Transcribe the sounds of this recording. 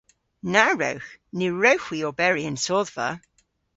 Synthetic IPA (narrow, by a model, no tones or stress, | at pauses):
naɹə̰wxnɪɹəwxwiɔbɛɹiə̃nsɔːðvə̰